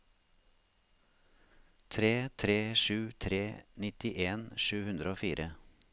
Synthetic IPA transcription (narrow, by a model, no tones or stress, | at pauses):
t̪ʰɾeːt̪ʰɾeːʃʉːt̪ʰɾeːnɪt̪ɪʔeːnʃʉːhʉnd̪ɾəoːfiːɾʔə